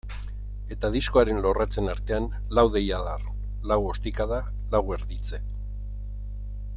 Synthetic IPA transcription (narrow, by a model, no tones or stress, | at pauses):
e̞t̪aðisko̞aɾe̞nlo̞rat͡se̞naɾt̪e̞an | lawðe̞jaðar | lawo̞st̪ikaða | lawe̞ɾðit͡se̞